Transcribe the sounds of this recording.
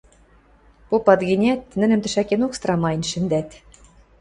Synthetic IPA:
popɑt̪ɡɘ̆nʲæt̪nɘ̆nɘ̆mt̪ɘ̆ʃækenokst̪rɑmɑjnʃɘ̆nd̪æt̪ʲ

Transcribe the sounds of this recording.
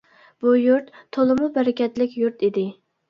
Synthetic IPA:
b̥ujuɾt̪ʰːolˠɨmʊbæɾɪkʲɛt̪lɪkʲjuɾt̪ʰid̪ɪ

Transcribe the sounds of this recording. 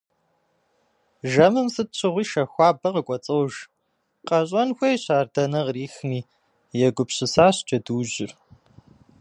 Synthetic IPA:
ʒɐmɨmsɨt̚ɕʰɪʁʷiːʃɐxʷɑːbɐqəkʷʼɔt͡sʼɐwʒ | qɐɕʼɐnxʷɐjɕaːrdɐnɐʁriːxniː | jɛɡʷʊpɕɪsaːɕt͡ʃʼɐduːʑɪ̰r

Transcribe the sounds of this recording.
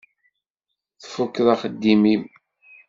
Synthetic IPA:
θfukːðˤɑχəd̪ːimim

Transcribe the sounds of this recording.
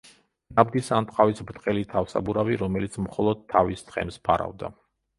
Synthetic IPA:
nab̚d̪isant̪ʼqʼavisbɾt̪ʼqʼɛlit̪ʰafsa̰buɾaviɾɔmɛlit̪sʰmχɔlˠɔd̪̚t̪ʰːavist̪χɛ̰mspʰaɾa̰vd̪a̰

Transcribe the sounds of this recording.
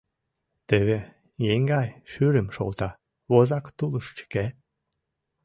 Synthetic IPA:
t̪eβe | jeŋɡɑjʃyɾəmʃo̰lt̪ɑ | βozɑkt̪uləʃt͡ɕə̥ke

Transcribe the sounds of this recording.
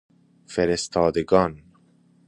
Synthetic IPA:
feɾest̪ʰɒːd̪eɡɒːn

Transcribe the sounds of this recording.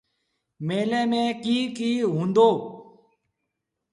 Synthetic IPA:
meːlẽːmẽːkiːkiːɦũːnd̪oː

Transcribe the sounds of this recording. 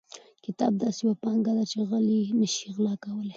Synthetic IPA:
kɪt̪ɑ̰b̚d̪ɑsejwapɑŋɡad̪at͡ʃeɣəlinəʃiɣlɑkawəle

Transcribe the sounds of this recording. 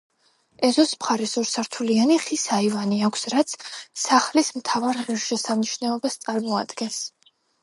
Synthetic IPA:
ɛzɔsmχaɾɛsɔɾsaɾt̪ʰulianiχisaivaniakʷʰsɾat̪sʰsaχlismt̪ʰavaɾʁiɾʃɛsamniʃnɛɔbast̪sʼaɾmɔa̰d̪ɡɛns

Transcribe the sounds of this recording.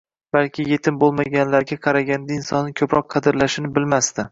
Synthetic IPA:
b̥alkʲɪje̞t̪ʰɪmbolˠmaɡʲanlaɾɡʲaqʰɑɾaɡʲand̪aɪnsɒ̰nːɪkʲʰɵpɾɒq̚ːʰɑd̪ɪɾlaʃɪnɪbɪlmast̪ɪ

